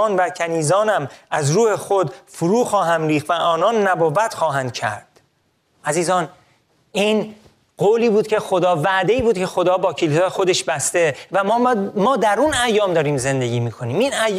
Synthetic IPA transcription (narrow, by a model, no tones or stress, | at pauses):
nvæcʰæniːzɒːnæmæzɾuːhexod̪fuɾuːxɒːɦæmɾiːxt̪væʔɒːnɒːnːæboːvæt̪xɒːɦænd̪̥̚cʰæ̰ɾd̪̥ | ʔæziːzɒːn | iːn | ɢoːliːbuːd̪̥̚cʰe̞xo̞d̪ɒːvæʔd̪e̞iːbuːd̪kcʰe̞xo̞d̪ɒːbɒːcʰelisɒːjexo̞d̪e̞ʃbæst̪evæmɒːd̪æɾunæjːɒːmd̪ɒːɾiːmze̞nd̪e̞ɟiːmiːkʰo̞niːminæ